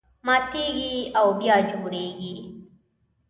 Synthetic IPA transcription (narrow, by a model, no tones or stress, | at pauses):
mat̪eɡiawbjɑd͡ʒoɽeɡi